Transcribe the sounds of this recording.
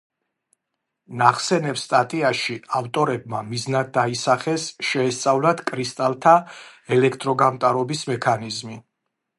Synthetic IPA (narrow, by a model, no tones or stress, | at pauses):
naχsɛnɛpst̪ʼat̪ʼiaʃiaft̪ʼɔɾɛb̚mamiznad̪̚d̪aisaχɛsʃɛːst̪sʼavlˠat̪ʰkʼɾist̪ʼalˠt̪ʰaɛlɛkʰt̪ʼɾɔɡamt̪ʼaɾɔbismɛkʰanizmi